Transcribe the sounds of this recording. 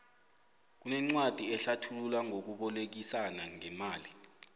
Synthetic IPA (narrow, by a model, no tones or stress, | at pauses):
k̬unɛŋ͡ǀwad̥ʱiɛɬatʰululaŋok̬uɓɔlek̬isanaŋɛmaːli